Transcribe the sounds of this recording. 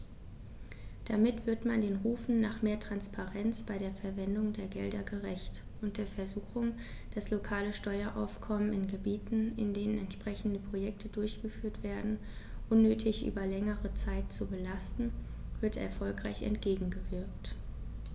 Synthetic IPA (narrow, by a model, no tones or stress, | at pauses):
d̥amɪtv̥ɪɐtmandeːnʁuːfn̩naːχmeːɐtʁ̥anspʰaʁɛnt͡sb̥aɪdeːɐfɛɐvɛndʊŋdeːɐɡɛldɐɡəʁɛçt | ʔʊnt̚d̥eːɐfɛɐzuːxʊŋ | d̥aslokʰaːləʃtɔʏɐʔa̰ʊfkʰɔmənɪnɡəbiːtn̩ɪndeːnənɛntʃpʁ̥ɛçn̩dəpʁ̥ojɛktʰədʊɐçɡ̥əfyːɐtv̥eːɐdn̩ | ʔʊnːøːtʰɪçʔy̰ːbɐlɛŋəʁət͡saɪtt͡subəlastn̩vɪɐtɛ̰ɐfɔlkʁ̥aɪçɛ̰ntɡ̥eːɡŋ̩ɡəvɪɐkt